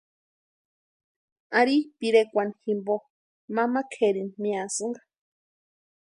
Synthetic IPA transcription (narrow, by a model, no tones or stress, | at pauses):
aɾipiɾekʷanximbo | mãmakʰeɾinmĩasɨŋɡḁ